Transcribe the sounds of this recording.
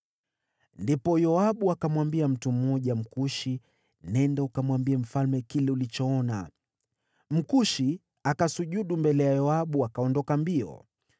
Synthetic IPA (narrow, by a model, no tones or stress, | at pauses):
ndipɔjɔaɓuakamwambiam̩tum̩ɔʄam̩kuʃi | nɛndaukamwambiam̩falmɛkilɛulit͡ʃɔɔna̰ | m̩kuʃi | akasuʄuɗumbɛlɛjajɔaɓuakaɔndɔkambiɔ̰